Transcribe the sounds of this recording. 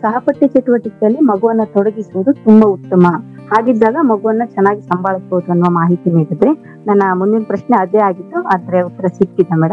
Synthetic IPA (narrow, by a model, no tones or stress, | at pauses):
sɐɦɐpɐʈːit͡ʃeʈuʋɐʈːikɛjɐlːimɐɡuʋɐnːɐt̪ɔɽɐɡisuʋud̪ut̪umbɐut̪ːɐmɐ | haːɡid̪ːaːɡɐmɐɡuʋɐnːɐt͡ʃɛnːaːɡisɐmbaːɭisboɦud̪uɐnːʋɐmaːɦit̪iniːɽud̪ɾe̞ | nɐnːɐmunːinpɾɐʃneɐd̪eaːɡit̪ːuɐd̪ɐɾeut̪ːɐɾɐsiʈ̚kid̪ːɐmɛːɽɐm